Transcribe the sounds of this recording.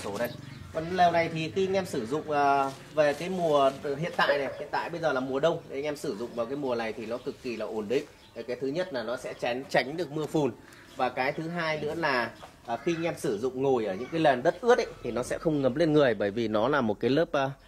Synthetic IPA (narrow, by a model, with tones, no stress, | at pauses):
o˨˦ɗə˧j | kɔ˨˩nlɛː˨˩wna˨˩jt̪ʰi˨˩xi˧ŋɛ˧msɨ˧˩zʊ̰˧˨ŋ͡mʔəː˨˩ | ve˨˩kaː˨˦jmu˨˩əɦḭ˧˨ənt̪a̰ː˧˨jnɛ˨˩hḭ˧˨nt̪a̰ː˧˨jɓə˧jzəː˨˩laː˨˩mu˨˩əɗə˧wŋ͡mɗe˨˦ŋɛ˧msɨ˧˩zʊ̰˧˨ŋ͡mvaː˨˩kaː˨˦jmu˨˩əna˨˩jt̪ʰi˨˩nɔ˨˦kɨ˨˩kːi˨˩laː˨˩ʔo˧˩nɗḭ̈˧˨ŋ̟ | a˨˩jkaː˨˦t̪ʰɲə˦˥t̚laː˨˩nɔ˨˦sɛ̰˧˥t͡ɕa˨˦jŋ̟t͡ɕa˨˦jŋ̟ɗɨ˨˩ək̚mɨ˧əfu˨˩n | vaː˨˩kaː˨˦jt̪ʰɨ˨˦ɦaː˧jnɨ̰˧˥əlaː˨˩ | ʔəː˨˩xi˧ŋɛ˧msɨ˧˩zʊ̰˧˨ŋ͡mŋo˨˩jʔəː˧˩ɲɨ̰˧˥ŋkaː˨˦jlə˨˩nɗə˦˥t̚ʔɨ˦˥ət̚ɗə˨˦jt̪ʰi˨˩nɔ˨˦sɛ̰˧˥xə˧wŋ͡mŋə˨˦mle˧nŋɨ˨˩əjɓəː˧˩jvi˨˩nɔ˨˦laː˨˩mo˨˩t̚kaː˨˦jləː˦˥p̚ʔəː˨˧˦